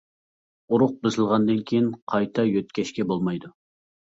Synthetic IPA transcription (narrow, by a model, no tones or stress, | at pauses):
uɾʊq̚bɪzɪlˠʁɑnd̪ɨnkʲʰejɪnqʰɑjt̪ʰɑjøt̪̚kʲʰɛʃkʲɛbolˠmɑjd̪u